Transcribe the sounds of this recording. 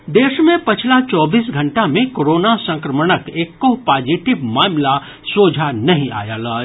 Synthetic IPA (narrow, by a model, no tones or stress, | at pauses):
d̪eːʃmẽpət͡ʃʰlat͡ʃɔːbiːsɡʱəɳʈamẽkoɾoːnasə̃ŋkɾəmənəkeːkːopaːd͡ʒiʈibmaːmla | soːd͡ʒʱanəɦĩa̰ːjalaː